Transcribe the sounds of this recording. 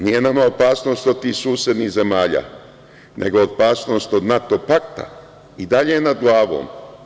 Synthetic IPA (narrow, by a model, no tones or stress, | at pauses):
nije̞namaopaːsno̞st̪o̞d̪̚t̪iːhsuːsje̞d̪nihze̞maːʎa̰ː | nʔe̞̰ɡo̞ːpaːsno̞ːst̪o̞d̪nat̪o̞pak̚t̪a̰ | id̪aʎenad̪ɡlˠaːʋo̰ːm